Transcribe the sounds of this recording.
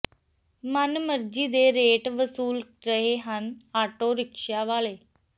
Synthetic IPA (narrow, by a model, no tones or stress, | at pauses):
mənməɾd͡ʒiːd̪eːɾeːʈʋəsuːlɾəɦeːɦənaːʈoːɾɪkʃaːʋaːleː